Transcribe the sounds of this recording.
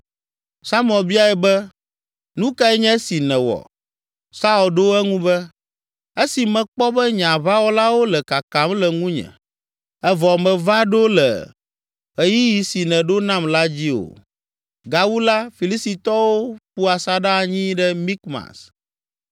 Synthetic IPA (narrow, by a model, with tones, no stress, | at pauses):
sa˦m˦ɔ˨bi˦a˨ɛ˨bɛ˦ | nũ˦ka˦ɛ˦ɲɛ̃˦si˨nɛ̃˨wɔ̰˨ | sa˦o˨lɖo˦ɛ˦ŋũ˦bɛ˦ | e˦si˨mɛ̃˨k͡pɔ˦bɛ˦ɲã˨βa˦wɔ˦la˦wo˦lɛ˨ka˨ka˨˦mlɛ˨ŋũ˦ɲɛ̰̃˨ | ɛ˦vɔ˨mɛ̃˨va˦ɖo˦lɛ̰˨ | e˦ji˦ji˨si˨nɛ̃˨ɖo˦nã˦mla˦d͡ʑi˦o̰˨ | ɡa˨wu˦la˦fi˨li˦si˨t̪ɔ˦wo˦ɸu˦a˨sa˦ɖa˦˨ɲĩ˦ɖɛ˦mĩ˦kma̰˨s